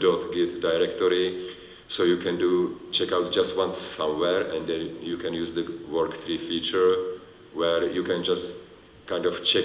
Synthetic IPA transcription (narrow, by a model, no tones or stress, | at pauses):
dot̪ɡɛtdaɪɹɛktɔɾi | sojukʰɛ̃ndut͡ʃʰɛkawt̚d͡ʒastwãnsːãmwɛɹɛ̃nd̪ɛ̃njukʰɛ̃njuzdəwɜɹktɹifit͡ʃəɹ | wɛɹjukʰɛ̃nd͡ʒast | kʰãɪ̃ndɔv̥t͡ʃɛk